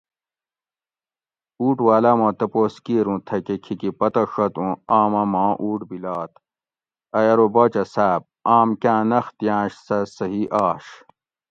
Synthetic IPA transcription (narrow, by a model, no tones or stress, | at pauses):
uːʈwaːlɐmõːt̪ɐpoːskiːɾũːt̪ʰɐkekʰikipɐt̪ɐʂɐt̪ũaːmɐmãːʔuːʈbilaːt̪ | ɐjɐɾoboːt͡ɕɐsæːb̚aːmkãːnɐxt̪jãːɕsɐsɐɦiʔaːɕ